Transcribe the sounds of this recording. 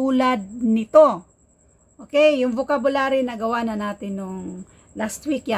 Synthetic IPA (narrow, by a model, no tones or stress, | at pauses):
uːlad̪̚nɪt̪o̞ | ʔʔoːkɛjːʊŋbʊkabʊlaːɾɪnɐɡɐwanɐnaːt̪ɪnːʊŋ | last̪wikja